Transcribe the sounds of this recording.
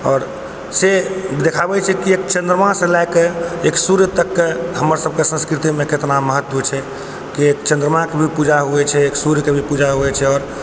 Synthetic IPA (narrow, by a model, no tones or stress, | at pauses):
ɔːɾ | sed̪ekʰabɛt͡ʃʰɛkiekt͡ʃə̃nd̪ɾəmãsẽlajkeeksuɾjət̪əkːeɦəməɾsəb̚kesə̃nskɾit̪imẽket̪naməɦət̪ːut͡ʃʰɛ | kiekt͡ʃə̃nd̪ɾəmãkebʱipud͡ʒaɦuɛt͡ʃʰɛeksuɾjəkebʱipud͡ʒaɦuɛt͡ʃʰɛɔːɾ